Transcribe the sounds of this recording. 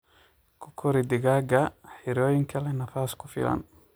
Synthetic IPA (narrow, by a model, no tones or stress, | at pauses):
kʰʊkʰɔɾid̪ɪɣaːɡɐħɛɾɔːjɪŋkʰɐlɛnɐfaːskʰʊfɪ̰lɐ̰n